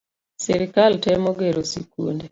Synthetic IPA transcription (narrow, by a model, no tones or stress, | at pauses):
sɛɾɪkaltɛmoɡeɾosikṵnde